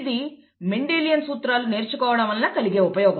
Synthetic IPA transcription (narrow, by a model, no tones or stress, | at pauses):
d̪i | meɳɖeːlijɐnsuːt̪ɾaːlune̞ːɾt͡ʃukɔːʋɐɽɐmɐlːaːkɐliɡe̞ːupɐjɔːɡɐ